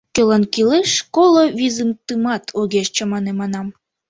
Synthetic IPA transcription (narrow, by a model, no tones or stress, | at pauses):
kølɑnkileʃkolˠoβizɨmt̪ɯmɑt̪ʰoɣeʃt͡ɕə̆mɑnemɑnɑm